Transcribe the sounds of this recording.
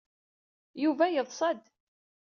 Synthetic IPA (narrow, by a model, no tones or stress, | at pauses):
juvæjəðˤsˤɑd̪